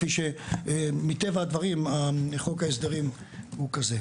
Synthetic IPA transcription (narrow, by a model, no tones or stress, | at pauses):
fiʃe | mit̪e̞vaad̪vaʁimaχokaesd̪eʁim | hukaze